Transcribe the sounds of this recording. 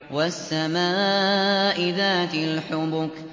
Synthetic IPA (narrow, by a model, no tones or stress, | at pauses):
wasːamaː | ʔɪðaːt̪ɪlħʊbʊk